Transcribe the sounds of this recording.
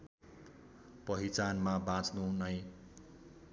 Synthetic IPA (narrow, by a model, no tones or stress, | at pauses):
pʌɦit͡sanmabãt͡snunʌj̃